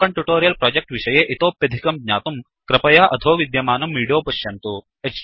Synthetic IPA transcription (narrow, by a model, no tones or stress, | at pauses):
kɐɳʈjuʈoːɾijɐlpɾoːd͡ʒek̚ʈʋiʃɐjeːʔit̪oːpjɐd̪ʱikɐmd̪ɲʲa̰ːt̪um | kɾɐpɐjaːʔɐd̪ʱoːʋid̪jɐmaːnɐmːiːɽijoːpɐɕjɐnt̪u | eks